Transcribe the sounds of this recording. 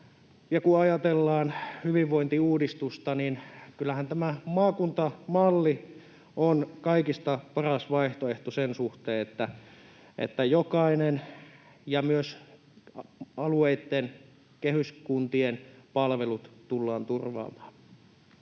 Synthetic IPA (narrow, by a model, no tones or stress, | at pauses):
jɑkuɑjɑt̪elːɑːnhyʋiʋʋoint̪iuːdist̪ust̪ɑninkylːˑæhænt̪æmæmɑːkunt̪ɑmɑlːi | ʔonkɑikist̪ɑpɑrɑsʋɑiht̪oeht̪osensuht̪eːet̪ːæ | ʔḛt̪ːæjokɑinen | jɑmyøs | ɑlueit̪ːen | kehyskunt̪ienpɑlʋelut̪t̪ulːɑːnt̪urʋɑ̰ːmɑ̥ːn